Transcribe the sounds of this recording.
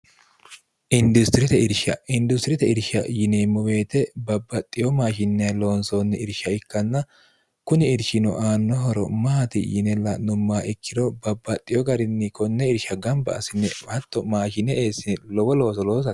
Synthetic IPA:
ʔɪnd̪ʊst̪ɪɾɪt̪ɛɪɾʃɐɪnd̪ʊst̪ɪɾɪt̪ɛɪɾʃɐjɪneːmːɔwe̞ːt̪ɛbɐbːɐt̪ʼːɪjɔmaːʃɪnːɪjɐlo̞ːnsoːnːɛɪɾʃɐɪkːɐnːɐ | kʊnɪɪɾʃɪnɔ̰ʔaːnːɔɦɔɾɔ̰mɐhɐt̪ɪ̰jɪnɛlːɐnʊmːaːʔɪkːɪd̪ɔbɐbːɐt̪ʼːɪjɔɡɐɾɪnːɪkɔnːɛɪɾʃɐɡɐmbɐ̰ɐ̰sɪnːɛhɐt̪ːɔmaːʃɪnɛʔeːsɪlɔwɔlo̞ːsɔloːs̬ɐ

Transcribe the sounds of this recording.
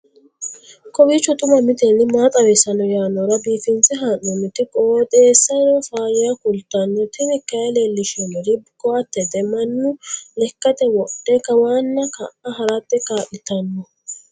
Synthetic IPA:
kɔwiːt͡ʃːɔt̪ʼʊmɐmɪt̪enːɪmaːt̪ʼɐwesɐnɔjaːnːɔɾɐbiːfɪnt͡sʼɪɦaːnːɔmɪt̪ɪkʼoːt̪ʼeːsːɐɾɔfaːjɛjɐkʊlt̪ːɐnːɔt̪ʰɪmɪkːɐjɛleːlːɪʃɛnɔɾɪbkɔɐt̪ːɛt̪ɛmɐnːʊlɛkːɐt̪ɛwɔɗːɛkɐwaːnːɐkɐ̰ʔɐɦɐɾatːɛkaːʔɪt̪ɐnːɔ

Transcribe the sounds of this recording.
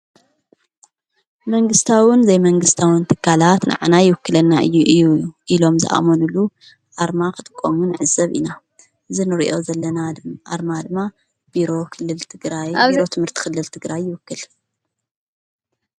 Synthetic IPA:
mɐŋɡɨst̪ʰawɨnzɐjmɐŋɡɨst̪ʰawɨnt̪ʰɨkʰːalat̪nʔa̰ʕanajɪwɨkːɨlɐnːaʔɨjːuʔɨjːuʔilo̞mzɨ̰ʔa̰monulːu | ʔaɾmakʰɨt̪ʰʼɨkʼːomunɨʕɨzɐβʔḭna | ʔɨzinɨɾiʔo̞zɐlːɐnaʔa̰ɾmad̪ɨmːa | b̥iɾo̞kʰɨlːɨlt̪ʰɨɡɾajbiɾot̪ʰɨmhɨɾt̪ʰi̥kʰɨlːɨlt̪ʰɨɡɾajːɪwɨkːɨl

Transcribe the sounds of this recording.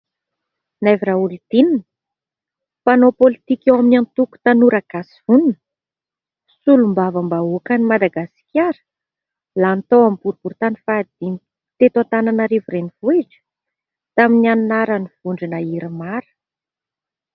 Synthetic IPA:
naviɾaulit̪ininə | panopolit̪ikewaminant̪uku̥t̪anuɾaɡasi̥vununə | sulumbavəmbauakənimad̪aɡasi̥kʲaɾə̥ | lant̪owampuɾubuɾt̪anifad̪̥in | t̪et̪ant̪ananəɾevurenivuiʈ͡ʂə̥ | t̪aminianunaɾaniv̥uɳɖ͡ʐinaiɾamaɾə̥

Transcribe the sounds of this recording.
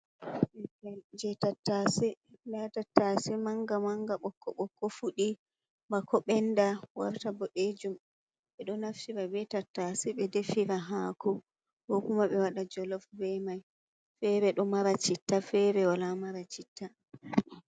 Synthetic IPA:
d͡ʒɛtatːasi | latatːasimaŋɡamaŋɡaɓɔkːɔɓɔkːɔfuɗi | mbakɔɓɛndawa̰ɾtabɔɗed͡ʒum | ɓɛɗɔnaftiɾabɛtatːasiɓɛdefiɾaɦakɔ | hɔkumaɓɛwaɗad͡ʒɔlɔfbɛmaj | fɛɾɛɗɔmaɾat͡ʃitːafɛɾɛwalamaɾat͡ʃitːa

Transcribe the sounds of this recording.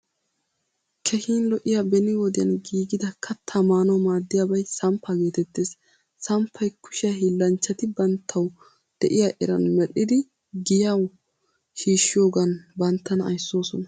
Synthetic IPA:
kʰɛhiːnlɔʔɪjabɛnɪwɔd̪ɪjɐnɡiːɡɪd̪ɐkʰɐt̪ʰːɐmaːnɐwmaːd̪ːɪjaːbɐjsɐmpʰːaɡe̞ːt̪ɛt̪ːeːs | sɐmpʰːɐjkʊ̥ʃɪjaɦilːɐnt͡ʃːɐt̪ɪbɐnt̪ʰːɐw | d̪̥ɛʔɪjaʔɛ̰ɾɐ̰nmɛlːɪd̪ɪ | ɡɪjɐw | hiːʃːɪjo̞ːɡɐnbɐnt̪ːɐnɐ̰jsːo̞ːsɔnɐ

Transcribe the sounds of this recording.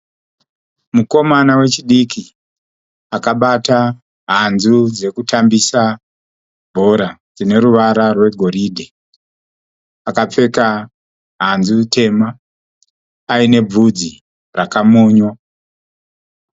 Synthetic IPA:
muko̞manawe̞t͡ʃiɗikʰi | akaɓata | ɦanzud͡ze̞kutambisa | bʱo̞ɾad͡zine̞ɾuʋaɾarwe̞ɡʱo̞ɾiːdʱe | akap͡fe̞ka | ɦanzutʰe̞ma | ine̞b͡vud͡zi | rakamuːɲwa

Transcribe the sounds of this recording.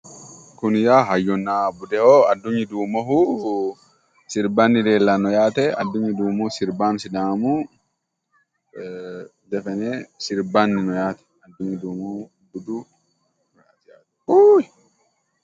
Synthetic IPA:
kunjaɦajːɔnːabudɛɔadːuɲːiduːmɔɦu | siɾbanːidɛlːanɔjaːt̪ɛa̰dːuɲːiduːmusiɾbamsidaːmu | dɛfɛnɛsiɾbanːinɔjat̪ɛ̥adːuɲːiduːmɔ | budu | ɾatijatɛ̥uj

